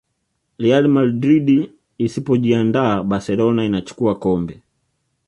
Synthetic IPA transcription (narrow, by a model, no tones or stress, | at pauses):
lialmadɾidiː | sipɔʄiandaːbasɛlɔnainat͡ʃu̥kuakɔmbɛ